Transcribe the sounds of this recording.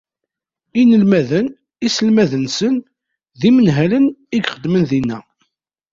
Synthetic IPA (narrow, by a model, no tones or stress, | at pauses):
inəlmæðən | isəlmæðənsən | ðimənɦæləniɡχəd̪mənðinːæ